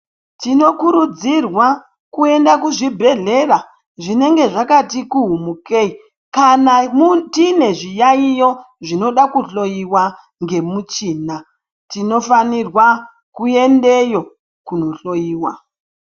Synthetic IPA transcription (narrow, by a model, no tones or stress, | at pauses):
tino̞kuɾud͡zirwa | kue̞ndakuʐibʱe̞ɮe̞ra | ʐine̞ŋɡe̞ʐakatikuɦumukei | kanamutine̞ʐijaijo̞ | ʐino̞ɗakuɬo̞jiwa | ŋɡe̞mut͡ʃiːna | tino̞fanirwa | kue̞nde̞jo̞ | kuno̞ɬo̞jiːwa